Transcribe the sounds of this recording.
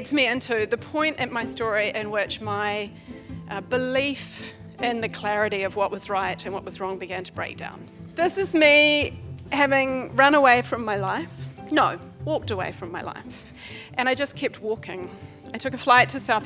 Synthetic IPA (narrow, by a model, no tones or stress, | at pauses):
dzmiɪ̃ntʰʉðɨpʰɔ̃ɪ̃ntɨ̃nmaɪstɔɹiʔɪ̃nwɪt͡ʃmaɪ | ʔbəlif | ɪ̃nðɨkʰl̥æɹɨɾiʌvwʌʔwʔʌzɹaɪɾɨ̃nwʌʔ̚wʌzɹɔ̃ŋbɨɡæ̃ntʰəb̥ɹeɪk̚d̥ã̰ʊ̃nðɪsɨzmi | hævɪ̃ŋɹʌ̃nəweɪfɹʌ̃mːaɪlaɪfnoʊ | wɔk̚təwḛɪfɹʌ̃mːaɪla̰ɪf | ʔɨ̃ɾ̃aɪd͡ʒʌskʰɛp̚t̚wɔkɪ̰̃ŋ | aɪtʰʊkɨflaɪtʰɨsaʊθ